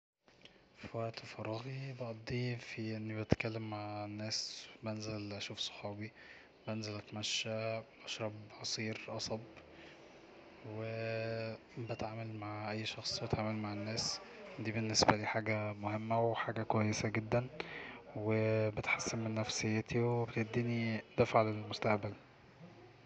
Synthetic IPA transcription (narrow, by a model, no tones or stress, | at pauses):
fæʔt̪æfɑrˤːɑɣibɑʔɑd̪ˤːiːfiʔenːibet̪kælːemːaʕenːæːsbænzælʔæʃuːfsˤo̥ħɑːbi | bænzælʔæt̪mæʃːæbʔɑʃɾˤɑbʕɑsˤiːɾʔɑsˤɑb | we | bet̪ʕaːmælmaʕʔæjːʃɑxsˤbet̪ʕaːmælmaʕenːæːsd̪iːbenːesbæliːħaːɡæmohemːæweħaːɡækwæjːesæɡed̪ːæn | webet̪ħasːenmenːæfsejːæːt̪iwebet̪eʔd̪ːiːnid̪æfaʕlelmost̪æʔbæl